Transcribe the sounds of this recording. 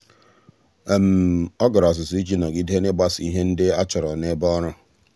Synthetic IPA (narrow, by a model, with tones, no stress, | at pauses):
m̩˨ɔ˦ɡʊ˨ɾɔ˨s̬ʊ˨si˦d͡ʒi˦nɔ˨ɡɪ˦de˦ne˦ba˦si˦ɦe˦n̩˦dɪ˦a˦t͡ʃʊ˨ɾɔ˨ne˦bɔ˦ɾʊ˦